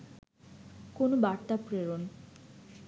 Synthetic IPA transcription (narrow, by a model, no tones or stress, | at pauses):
konobaɾt̪apɾeɾon